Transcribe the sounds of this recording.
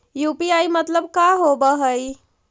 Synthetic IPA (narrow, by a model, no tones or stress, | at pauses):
jupiajmət̪ləb̚kaɦobəɦəj